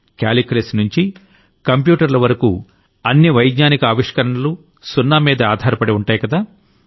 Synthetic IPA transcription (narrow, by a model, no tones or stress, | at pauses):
ka̰ːlikɾesnuɲt͡ʃi | kɐmp̬juːʈɐɾlɐʋɐɾɐkṵː | ɐnːiʋɐjɡɲaːnikɐaːʋiʂkɐɾɐɳɐlu | sunːaːmiːd̪ɐaːd̪ʱaːɾɐpɐɽiuɳʈaːjɐkɐd̪aː